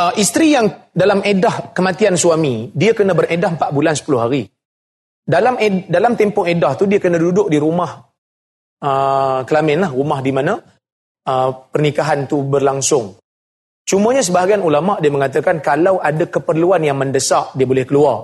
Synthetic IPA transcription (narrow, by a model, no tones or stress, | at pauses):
ʔəʔist̪ɾijaŋdalamedahkəmat̪iansuamidiakənãbəredaɦmpat̪̚bulansə̥pulʊɦaɾi | dalamedalamt̪ɛmpʊŋedaht̪udiakənãdudʊʔ̚diɾumah | əkəlamɛnlahrumahdimanã | əpərnikaɦant̪ubərlaŋsʊŋ | t͡ʃumə̃ɲas̬əbaɦaɡianulamaʔdiəməŋat̪̬əkankalawʔadakəpərluanjaŋməndəsaʔdiəbolɛhkəluar